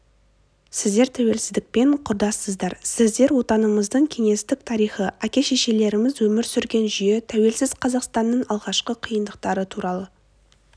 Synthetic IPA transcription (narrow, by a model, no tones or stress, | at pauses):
sɪzd̪e̞ɾt̪ʰæwe̞lsɪzd̪ɪk̚pe̞ɴqʰʊɾd̪ɑsəzd̪ɑɾsɪzd̪e̞ɾwo̞t̪ɑnəməzd̪əɴkʲʰe̞ŋe̞st̪ɪk̚t̪ʰɑɾijχəʔækʲe̞ʃeʃe̞le̞ɾɪmɪzwɵmɪɾsʏɾɡʲe̞nʒʏje̞t̪ʰæwe̞lsɪz̥qʰɑzɑqst̪ɑnːəɴɑlˠʁɑʃqəqʰijənd̪əq̚t̪ɑɾət̪ʰuɾɑlˠə